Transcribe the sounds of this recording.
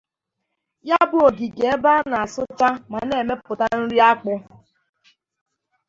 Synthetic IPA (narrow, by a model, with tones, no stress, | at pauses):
ja˦bʊ˦o˨ɡi˨ɡe˨e˦ba˦na˨a˨sʊ˦t͡ʃa˦ma˨ne˨me˦pʊ˨ta˦n̩˦ɾi˦a˦k͡pʊ˦